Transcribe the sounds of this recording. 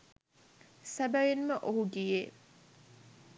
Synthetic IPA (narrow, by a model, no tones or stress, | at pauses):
sæbæʋenməʔoɦuɡijeː